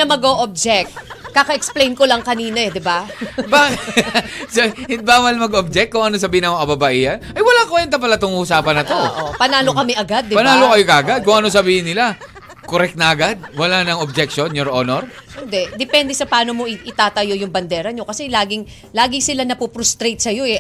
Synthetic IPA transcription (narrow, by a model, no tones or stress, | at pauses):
ɐmɐɡoʔob̚d͡ʒɛk̚t̪̚kakɐʔɛksplejnkolɐŋkɐniːnɐɛd̪ɪbabaːk | sohɪt̪̚baːwɐlmɐɡob̚d͡ʒɛk̚t̪̚kːʊŋʔɐnos̬ɐbiːhɪnɐmokɐbabɐʔiːhɐnʔɐjwɐlakɐɛnt̪ɐp̬ɐlɐt̪oŋʊːsaːpɐnːɐtʔ̪oo̰ːʔopɐnaːlokɐmɛʔɐɡad̪ːɪpɐnaːlokɐjokɐʔɐɡad̪̚kʊŋʔɐno̞sɐbiːhɪnːɪla | koɾɛk̚t̪nɐʔɐɡad̪̚wɐlanɐŋob̚d͡ʒɛk̚ʃonjoɾʔonoɾhɪnd̪ɛd̪ɛpɛnd̪ɛsɐpaːno̞mo̞ʔɪʔɪt̪aːt̪ɐjo̞jʊŋbɐnd̪ɛːɾɐɲo̞kɐsɛlaːɡɪŋ | laːɡɪŋsɪlanɐpupɾʊst̪ɾejt̪̚sɐjo̞ɛ